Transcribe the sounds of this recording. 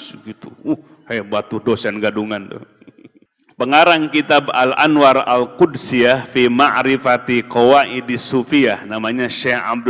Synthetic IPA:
ɡit̪uuh | hajbat̪udosɛnɡaduŋant̪ʊ̰h | pəŋaɾaŋkit̪aba̰la̰nwaɾa̰lkʊdsijafimaʔɾifat̪ikowaʔidisufiahnamaɲaʃɛha̰b̚d

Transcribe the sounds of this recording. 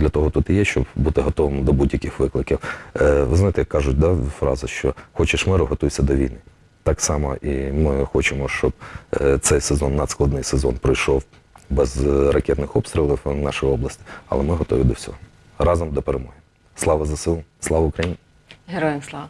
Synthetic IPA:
d̪lʲɐt̪ɔɦɔt̪ut̪ijɛʃt͡ʃɔbbut̪ɪɦɔt̪ɔʋɪmd̪ɔbudʲjɐkɪxʋɪklˠɪkʲiwʋɪznɑjt̪ɛjɐkːɑʒʊt̚ʲd̪ɑfɾɑ̰zʊʃt͡ʃɔxɔt͡ʃɪʃmɪɾʊɦɔt̪ujsʲɐd̪ɔʋʲijnɪ | t̪ɑksɑmɐ̰ʔimɪxɔt͡ʃɪmɔʃt͡ʃɔbt̪sɛjsezɔnːɐd̪sklˠɐd̪nɪjsezɔnpɾɔjʃɔw | bɛzrɐkʲɛt̪nɪxɔpst̪ʲɾʲɪlˠiwnɑʃɔjɔblˠɐsʲtʲɪ̥ɐ̰lˠɛmɪɦɔt̪ɔʋʲid̪ɔwsʲɔ̰ɦɔ | ɾɑzɔmd̪ɔpeɾemujem | slˠɑʋɐzɐsɪlˠslˠɑʋɐʊkɾɐjinʲ | ɦeɾɔjnslˠɑʋɐ

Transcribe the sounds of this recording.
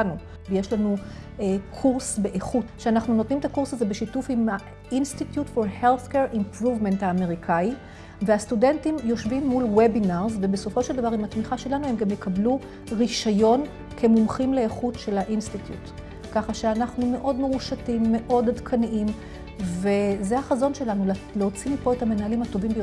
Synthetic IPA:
nu | vejeʃlanu | ekʰuʁsbe̞ʔeχutʃeanaχnuno̞t̪nimetakuʁsazebeʃitufima | institjutfo̞ʁhelθkeʁʔimpʁuvme̞nthaːme̞ʁikʰai | veastude̞ntimjo̞ʃvimːulwebinaʁzve̞be̞so̞fo̞ʃe̞ld̪avaʁimatmiχaʃe̞lanuhe̞mɡamjekablu | ʁiʃajo̞n | kʰe̞mumχimleeχutʃe̞laʔinstit̪jṵt | kaχaʃeanaχnume̞ʔo̞dmeʁuʃatimːe̞ʔo̞dhadkʰanʔim | ve̞zehaχazo̞nʃe̞lanulleot͡simipo̞e̞thame̞naɦalimhato̞vimbej

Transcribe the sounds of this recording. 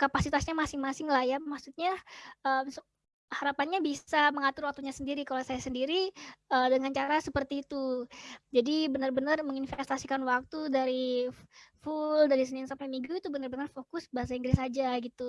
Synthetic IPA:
kapasit̪asɲamasɪŋmasɪŋlahjamaksut̪̚ɲaəms | haɾapanɲabisaməŋat̪ʊrwak̚t̪uɲasəndiɾikalasajasəndiɾiəːdəŋant͡ʃaɾasəpərt̪iːt̪ud͡ʒadibənərbənərməŋinfɛst̪asikanwak̚t̪udaɾi | fuldaɾis̬ənɪnsampamiŋɡuit̪ubənərbənərfokʊsbaɦas̬aiŋɡɾɪsad͡ʒaɡit̪u

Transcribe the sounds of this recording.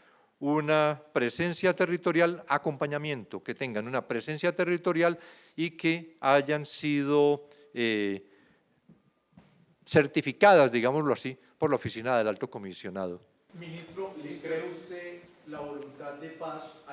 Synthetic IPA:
unapɾe̞se̞nsjat̪e̞rit̪o̞ɾjalako̞mpaɲamjẽ̞nt̪o̞ke̞t̪e̞ŋɡanunapɾe̞se̞nsjat̪e̞rit̪o̞ɾjal | ike̞aʝansiðo̞ | e | se̞ɾt̪ifikaðazd̪iɣamozloasi | po̞ɾlaofisinaðe̞lalt̪o̞ko̞misjo̞nað̞o̞ | minist̪ɾoekɾeust̪e | laβolunt̪ad̪d̪epas

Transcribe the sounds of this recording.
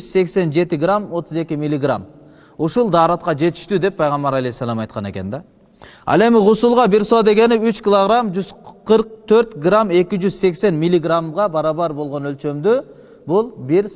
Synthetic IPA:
z̥se̞kse̞nd͡ʒe̞t̪ɪɡramo̞t̪ʊze̞kʲimʲilʲːiɡra̰m | uʃulˠd̪ɑːɾɑt̪̚qɑd͡ʒe̞t̪i̥ʃt̪yd̪e̞pːʰɑjʁɑmbɑɾɑlejsːɑlˠɑmɑjt̪qɑne̞̰ke̞nd̪ɑ | ɑ̰lˠe̞mɪʁusulˠʁɑbiɾsod̪e̞ɡe̞niyt͡ʃkʲilˠoʁɾamd͡ʒyz̥qɯɾq̚t̪ʰøɾt̪ɡrame̞kʲid͡ʒyz̥se̞kse̞nmʲilʲːiɡramʁɑbɑɾɑβɑɾbo̞lˠʁo̞nø̞lt͡ʃø̞md̪y | bulˠbiɾ

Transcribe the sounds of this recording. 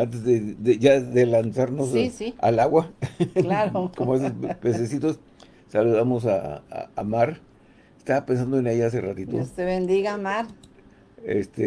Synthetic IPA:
ant̪̬ezðedeʝaðelansaɾnossia̰laɣwalaɾokomoas̬espes̬esit̪os | saluðamosa̰amaɾ | est̪aβapensand̪oenejas̬erat̪it̪ot̪eβend̪iɣamaɾ | ḛst̪e

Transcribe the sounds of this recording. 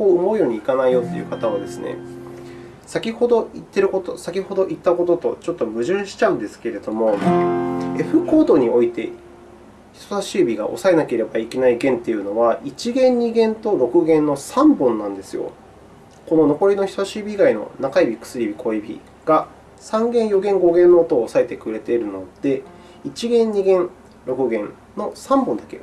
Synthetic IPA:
ko̞ːɯ̟mo̞ijo̞ːɲ̟iːkanaijo̞t̪ːe̞̰iɯ̟kat̪aβ̞ad̪e̞sɨnḛ | sakʲiho̞d̪o̞it̪ːe̞ɾɯ̟kot̪o̞sakʲiho̞d̪o̞ʔit̪ːako̞t̪o̞t̪o̞̰t͡ɕo̞t̪ːo̞bɯ̟ʑɨ̃ːɕi̥t͡ɕaɯ̟̃nd̪e̞sɨ̥ke̞ɾe̞d̪o̞mo̞ | e̞ɸɯ̟ko̞ːd̪o̞ɲ̟io̞it̪e̞ | çi̥t̪osaɕiːbʲiɡa̰ʔo̞̰sae̞nake̞ɾe̞baike̞naiɡẽ̞nt̪e̞jɯ̟no̞βait͡ɕiɡẽ̞ɲ̟ɲiɡẽ̞nt̪o̞ɾo̞kɯ̟ɡẽ̞nːo̞sãmbõ̞nːãnd̪e̞sɨjo̞̰ | ko̞no̞no̞ko̞ɾʲino̞çi̥sosaɕiːbʲiɡaino̞̰nakaibʲikɯ̥sɨɾʲibʲikʰo̞ibʲḭ | ɡ̥a | sãŋɡẽ̞ɰ̃jo̞ɡẽ̞ŋɡo̞ɡẽ̞nːoːt̪oːsaet̪e̞kɯ̟ɾe̞t̪e̞ɾɯ̟no̞d̪̥e̞ | it͡ɕiɡẽ̞ɲɲiɡẽ̞n | ɾo̞kɯ̟ɡẽ̞n | no̞sãmbõ̞nd̪ake

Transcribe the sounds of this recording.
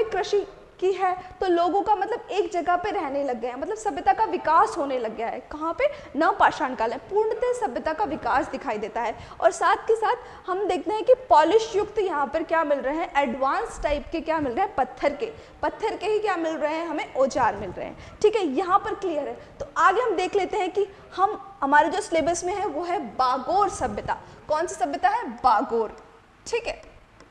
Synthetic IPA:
ekɾɪʃi | kiɦɛːt̪oloːɡõkamɐt̪ləbeːk̚d͡ʒɐɡəɦpeɾɛɦnelɐɡːaɦɛmɐt̪ləbsɐbjət̪akaʋɪkaːsɦoːnelɐɡjaɦɛ̰ːkɐɦãpenɐpaːʃaːnkaːlɦɛ̃puːɾɳət̪esɐbjət̪akaʋɪkaːsd̪ɪkʰaːid̪eːt̪aɦɛː | ɔ̰ːɾsaːt̪ʰkesaːt̪ʰ | hɐmd̪eːk̚ʰt̪eɦɛ̃kipɔːlɪʃjʊkt̪jɐɦãpɐɾkjaːmɪlɾɐɦeɦɛ̃ʔɛːɖʋaːnsʈaːɪpkekjaːmɪlɾəɦɛ̃pɐt̪ʰːəɾke | pɐt̪ʰːəɾkeɦikjaːmɪlɾɐɦeɦɛ̃ɦɐmẽʔoːt͡ʃaːɾmɪlɾə̰ɦḛɦɛ̰̃ʈʰiːkɦɛjɐɦãpɐɾklijəɾɦɛːt̪oʔaːɡeɦɐmd̪eːkʰleːt̪eɦɛ̃ki | hɐmɦɐmaːɾed͡ʒoːsleːbəɾsmẽɦɛ̃ʋoːɦɛbaːɡoːɾsɐbjət̪a̰kɔːnsisɐbjət̪aɦɛbaːɡoːɾ | ʈʰiːkɦɛː

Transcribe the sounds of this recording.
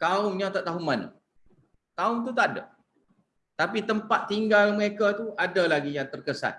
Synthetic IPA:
k̪aʊŋɲat̪aʔt̪aɦʊmanə̰ | t̪aʊŋt̪̬ut̪aʔdə̰ | t̪apit̪əmpat̪̚ːiŋɡalməɾekat̪uʔadalaɡijaŋt̪ərkəsa̰n̚

